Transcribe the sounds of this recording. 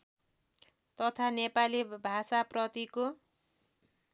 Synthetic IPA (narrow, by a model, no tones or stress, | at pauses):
t̪ʌt̪ʰanepalibʱasaprʌt̪iko